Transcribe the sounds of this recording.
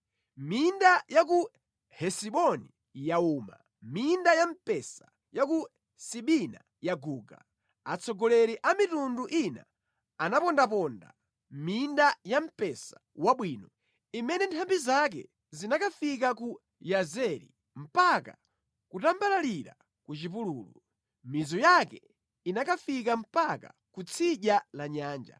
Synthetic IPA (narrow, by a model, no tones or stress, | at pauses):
mindajak̬u | hɛsiɓɔni | jauːma̰ | mindajam̩pɛsḁ | jaku | siɓina | jaɡuːɡa̰ | at͡sʰɔɡɔlɛɾiʔamitunduʔina̰ | anapɔndap̬ɔnda̰ | mindajam̩pɛsḁwaɓwiːnɔ | imɛnɛntʰambizak̬ɛ̰ | zinakafik̬aku | jazɛɾḭ | m̩paka | kutambalaliɾa̰ | kut͡ʃipuluːlṵ | mizɔjakɛ | inakafik̬am̩paka̰kut͡sʰiʄalaɲaːnd͡ʒa̰